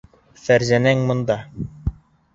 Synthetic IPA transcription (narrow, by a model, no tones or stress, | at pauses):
fæɾzænæŋmŏnd̪ɑ